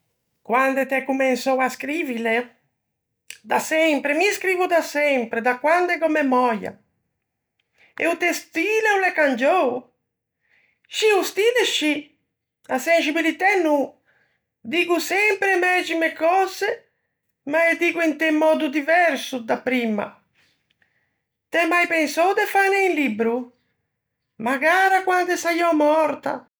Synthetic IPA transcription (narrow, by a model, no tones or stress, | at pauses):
kwand̪et̪ɛkːumɛnsɔwaskɾivile | d̪asɛmpɾemiskɾiːvud̪asɛmpɾed̪akwand̪ɛɡɔmɛmɔja̰ | ḛut̪ɛst̪ilɛulɛkand͡ʒɔw | ʃiust̪id̪eʃi | asɛns̬ibilit̪ɛnːu | d̪iːkusɛmpɾemɛd͡ʒimekɔze | maed̪iːkuint̪ɛmːɔːd̪ud̪ivɛɾsud̪apɾima̰ | t̪ɛmajpɛnsɔwd̪efaneinlibɾu | maɡaːɾakwand̪esajɔmɔɾt̪a̰